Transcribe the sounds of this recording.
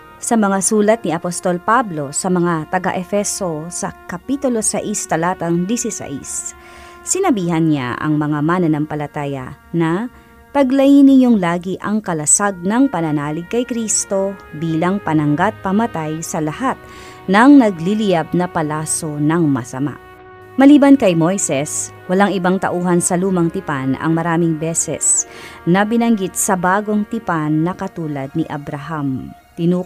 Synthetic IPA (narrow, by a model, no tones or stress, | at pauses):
sɐmɐŋasuːlɐt̪̚niɐpost̪o̞lpablo̞sɐmɐŋat̪ɐɡaʔɛfɛso̞sɐkɐpit̪ʊlo̞sɐʔist̪ɐlaːt̪ɐŋd̪isisɐ̰ʔḭsː | ɪnɐbiːhɐnɲa̰ʔɐ̰ŋmɐŋamaːnɐnɐŋpɐlɐt̪aːjɐ̰nɐ | t̪ɐɡlɐjinɪɲo̞ŋlaːɡiʔɐŋkɐlɐsaɡ̚nɐŋpɐnɐnaːlɪɡ̚kɐjkɾist̪o̞biːlɐŋpɐnɐŋɡat̪̚pɐmɐt̪ajsɐlɐhat̪̚ | nɐŋnɐɡlɪlɪjab̚nɐpɐlaːso̞nɐŋmɐ̰sɐ̰ma̰ʔ | mɐliːbɐnkɐjmo̞jsɛs | wɐlaŋɪbaŋt̪ɐ̰ʔuːɦɐnsɐluːmɐŋt̪ɪpanɐ̰ŋmɐɾaːmɪŋbɛːsɛ̰snɐbɪnɐŋɡit̪̚sɐbaːɡo̞ŋt̪ɪpanːɐkɐt̪uːlɐd̪̚niʔɐbɾɐɦam | t̪ɪnuː